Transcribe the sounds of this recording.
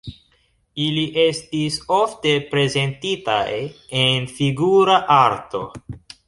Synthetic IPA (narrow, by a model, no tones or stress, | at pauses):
iliʔe̞stiso̞fte̞pɾe̞ze̞ntita̰jenfiɡuɾaʔaɾto̞̰